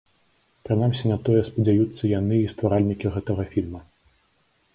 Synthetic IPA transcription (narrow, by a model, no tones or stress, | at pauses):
pɾɨnamsʲinɐt̪ɔjɛspɐd͡zʲajut̪sːɐjanɨist̪vaɾalʲnʲikʲiɣɛt̪ɐɣɐfʲilʲmɐ